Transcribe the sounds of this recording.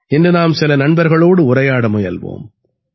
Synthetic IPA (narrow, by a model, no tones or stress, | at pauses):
ɪndɯnaːmsɪlɐnɐɳbɐɾɣɐɭoːɽɯʊɾɐjaːɽɐmɔjɐ̰lʋo̰ːm